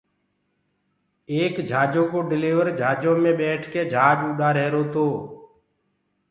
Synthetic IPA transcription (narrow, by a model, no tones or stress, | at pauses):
eːkd͡ʒʱaːd͡ʒoːkoːɖɪleːʋəɾd͡ʒʱaːd͡ʒoːmẽːɓeːʈʰkeːd͡ʒʱaːd͡ʒuːɗaːɾeːɾoːt̪oː